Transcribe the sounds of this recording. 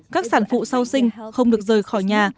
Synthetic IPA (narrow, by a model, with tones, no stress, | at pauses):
kaː˦˥k̚saː˧˩nfṵ˧˨saː˧wsï˧ŋ̟xə˧wŋ͡mɗɨ˨˩ək̚zəː˨˩jkxɔ˧˩jɲaː˨˩